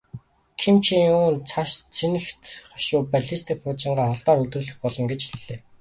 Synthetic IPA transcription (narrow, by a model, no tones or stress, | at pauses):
kʰimt͡ɕʰiuːnt͡sʰaʃt͡sʰinɘ̆xt̪χɔ̥ʃʊːpaɮʲist̪ʰĭkχʊːt͡ɕɪ̆ɴɢaːχɔɮt̪ɔːɾɵt̪rɵ̆ɮɘ̆xpɔɮɞ̆ŋɡet͡ɕxiɮːeː